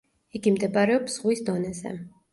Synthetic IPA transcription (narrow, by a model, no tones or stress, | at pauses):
iɡimd̪ɛbaɾɛɔpz̥ʁwisd̪ɔnɛzɛ̰